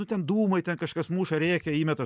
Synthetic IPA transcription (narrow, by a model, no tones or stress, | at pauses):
ʊt̪ʲɛnd̪uːmɐɪt̪ʲɛnkɐʃkɐsmuːʃɐɾʲeːkʲɛiːmʲɛt̪ɐ